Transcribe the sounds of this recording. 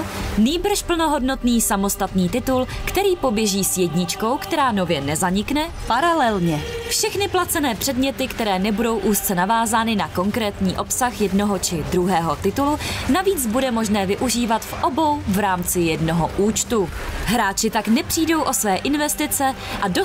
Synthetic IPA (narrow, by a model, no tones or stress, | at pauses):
niːbr̩ʃpl̩no̞ɦo̞dno̞t̪niːsamo̞st̪at̪niːt̪ɪt̪ulkt̪ɛɾiːpo̞bjɛʒiːsjɛdɲɪt͡ʃko̞wkt̪ɛɾaːno̞vjɛnɛzaɲɪknɛpaɾalɛlɲɛfʃɛxnɪplat͡sɛnɛːpr̥ɛdmɲɛt̪ɪkt̪ɛɾɛːnɛbudo̞wʔuːst̪t͡sɛnavaːzaːnɪnako̞ŋkɾɛːt̪ɲiːʔo̞psaxjɛdno̞ɦo̞t͡ʃɪd̪ɾuɦɛːɦo̞t̪ɪt̪ulunaviːt͡sbudɛmo̞ʒnɛːvɪʔuʒiːvat̪fʔo̞bo̞wvɾaːmt͡sɪjɛdno̞ɦoʔuːt͡ʃt̪uɦɾaːt͡ʃɪt̪aknɛpr̥iːdo̞wʔo̞svɛːʔɪnvɛst̪ɪt͡sɛ | ʔado